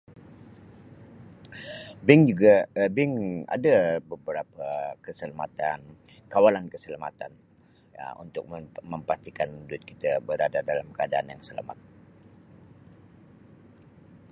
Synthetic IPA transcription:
bɪŋd͡ʒuɡabɪŋa̰dabəbəɾapakəsəlama̰t̪an | kawalankəsəlamat̪an̰ | ṵnt̪ʊk̚məmpast̪ikanmudʊt̪̚kit̪abəɾadadalamkəadaʔanjaŋsəla̰ma̰t̪̚

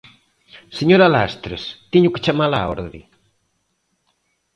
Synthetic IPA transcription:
seɲoɾalast̪ɾest̪iɲʊke̥t͡ʃamalao̰ɾðɾḭ

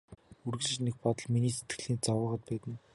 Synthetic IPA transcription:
urɣɘ̆ɮɘ̆t͡ɕnek̚pɔt̪ɞ̆ɮminiːset̪ɡɘ̆ɮiːnt͡sɔwə̆ʁə̆t̪̚pæːt̪ɘ̆n

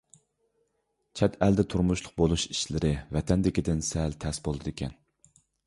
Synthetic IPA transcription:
t͡ʃʰɛt̪ʰæld̪ɛt̪ʰuɾmuʃlˠʊq̚bolˠuʃi̥ʃlɪɾɪvɛt̪ʰɛnd̪ɪkʲid̪ɪnsɛlt̪ʰɛsbolˠd̪ɨd̪ekʲʰɛ̰n

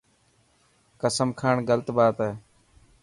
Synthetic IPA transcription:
kəsəmkʰaːɳɡəlt̪baːt̪eː

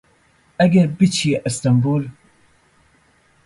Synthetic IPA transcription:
ʔɛɡɪɾbɪt͡ʃiʔɪst̪ɐmbuːl

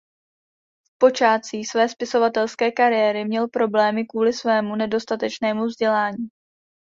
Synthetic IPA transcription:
fpo̞t͡ʃaːt͡siːsvɛːspɪso̞vat̪ɛlskɛːkaɾɪjɛːɾɪmɲɛlpɾo̞blɛːmɪkvuːlɪsvɛːmunɛdo̞st̪at̪ɛt͡ʃnɛːmuvzɟɛlaːɲiː

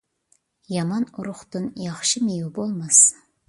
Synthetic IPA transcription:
jɑmɑnʊɾʊχt̪ɨnjɑχʃɨmejubolˠmɑs

